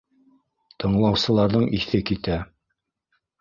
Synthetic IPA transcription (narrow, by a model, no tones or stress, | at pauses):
t̪ɤ̆ɴlˠɑwsɤ̆lˠɑɾðɤɴʔiθɘkit̪æ